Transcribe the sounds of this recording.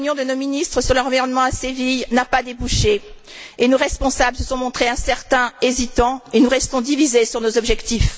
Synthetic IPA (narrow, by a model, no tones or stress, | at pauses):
njɔ̃d̪ənominist̪χəsyʁləʁɑ̃viʁɔnmɑ̃asevijnapad̪ebuʃe | enoʁɛspɔ̃sabləsəsɔ̃mɔ̃t̪χeɛ̃sɛʁt̪ɛ̃ezit̪ɑ̃enuʁɛst̪ɔ̃d̪ivizesyʁnozɔbʒɛkt̪if